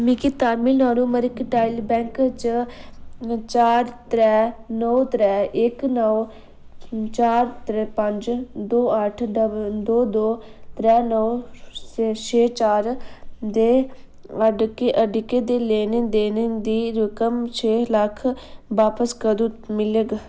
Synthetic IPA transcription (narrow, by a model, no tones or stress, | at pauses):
mikit̪aːɾmiːnaːnuːməɾɪkʈaːɪlbɛ̃ːŋkt͡ʃ | t͡ʃaːɾt̪ɾɛːnɔːt̪ɾɛːʔɪknəw | t͡ʃaːɾt̪ɾɛːpəɲd͡ʒd̪oːəʈʰəd̪oːd̪oːt̪ɾɛːnɔːst͡ʃʰeːt͡ʃaːɾd̪eː | əɖkeːʔəɖkeːd̪eːleːned̪eːnɪŋɡd̪iːɾʊkəmt͡ʃʰeːləkʰʋaːpəskəd̪uːmɪleɡ